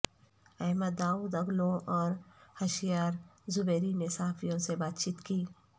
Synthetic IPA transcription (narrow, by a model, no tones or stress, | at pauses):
ɛɦməd̪ːaːuːd̪ɐɡlõʔɔːɾhɐʃijaːɾzʊbɛːɾinesɐɦaːfʰijõsebaːt̪t͡ʃiːt̪kiː